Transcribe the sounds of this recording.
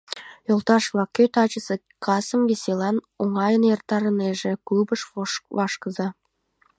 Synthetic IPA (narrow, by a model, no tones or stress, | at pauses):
jolˠt̪ɑʃlɑkʲøt̪ɑt͡ʃə̆sə̆ | kʰɑsə̆mvʲesʲelˠɑn | oŋɑjənert̪ːɑɾə̆neʒĕkubə̆ʃvɑʃkɤ̆zɑ